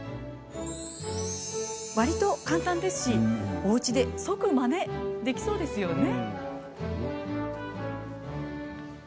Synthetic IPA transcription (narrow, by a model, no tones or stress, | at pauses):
βaɾʲit̪o̞kãnt̪ãnd̪e̞sɨ̥ɕio̞ɯ̟t͡ɕid̪e̞so̞kɯ̟mane̞d̪e̞kʲi̥so̞ːd̪e̞sɨjo̞ne̞